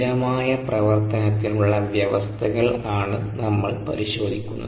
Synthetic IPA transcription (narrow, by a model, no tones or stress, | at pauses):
ɾɐmaːjɐprɐʋɐrt̪ɐnɐt̪ːinuɭːɐʋjɐʋɐst̪ʰɐɣɐɭaːɳɨnɐmːɐɭpɐ̰ɾiɕo̞ːd̪ʱikʲːunːɐ̰